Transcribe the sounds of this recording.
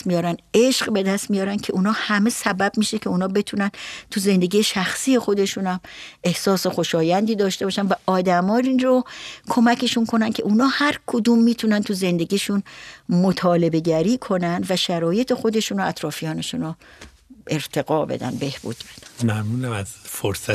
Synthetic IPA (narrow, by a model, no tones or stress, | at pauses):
mijɒːɾæneʃɢbe̞d̪æst̪mijɒːɾæncʰe̞ʔuːnɒːhæme̞sæbæbmiːʃe̞cʰe̞unɒːbe̞t̪ʰunænt̪ʰuze̞nd̪e̞ɡiːjeʃæxsiːje̞xo̞d̪e̞ʃuːnæme̞hsɒːse̞xo̞ʃɒːjænd̪iːd̪ɒːʃt̪e̞bɒːʃænvæʔɒːd̪æmɒːɾinɾokʰo̞mæcʰe̞ʃunkʰo̞nænkʰe̞ʔuːnɒːhæɾkʰod̪uːmːiːt̪ʰunænt̪ʰuze̞nd̪e̞ɟiːʃunmot̪ʰɒːle̞be̞ɟæɾiːkʰo̞nænd̪væʃæɾɒːje̞t̪ʰe̞xo̞d̪e̞ʃunɾoæt̪ʰɾɒːfijɒːne̞ʃuːno | ʔe̞ɾt̪ʰe̞ɡɒːbḛd̪æ̰nd̪be̞hb̥ṵːd̪̥bed̪̥ænmænuːnæmæzfoɾsæ